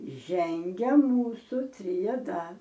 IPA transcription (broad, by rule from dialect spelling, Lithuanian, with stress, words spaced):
ˈʒʲɛŋʲɡʲɛ ˈmuːsʊ tʲrʲɛˈdɐ